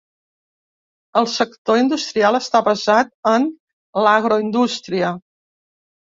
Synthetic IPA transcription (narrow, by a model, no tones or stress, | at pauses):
əlˠsəkt̪oind̪ust̪ɾialˠəst̪aβəzat̪̚ən | laɣɾoind̪ust̪ɾiə